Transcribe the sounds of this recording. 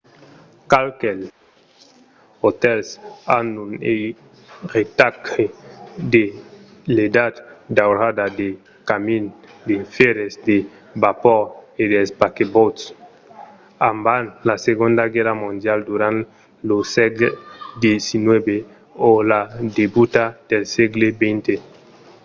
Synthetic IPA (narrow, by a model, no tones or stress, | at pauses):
kalkɛl | ot̪ɛlsa̰nune | ret̪aked̪eled̪at̪d̪awɾad̪ad̪e | kamind̪efɛɾezd̪e | bapɔɾed̪elspakebot̪s | ambanlaseɣõnd̪aɡɛɾamõnd̪jald̪uɾãn | losɛɡed̪jesinwɛbe | olad̪ebut̪ad̪̥elseɡlebɛnt̪e